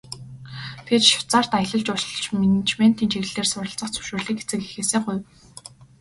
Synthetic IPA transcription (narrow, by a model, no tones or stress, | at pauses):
t̪ʰet͡ɕʃʊ̥wt͡saːr̥t̪aj̆ɮə̆ɮt͡ɕʊʃɞ̆ɮt͡ɕmenit͡ɕmen̥t̪iːnt͡ɕʰeɣɘ̆ɮt̪eːrsʊrə̆ɬt͡sə̆χt͡sʰɵ̥ʃoːrɮiːkxet͡sɘ̆kexeːseːχʊj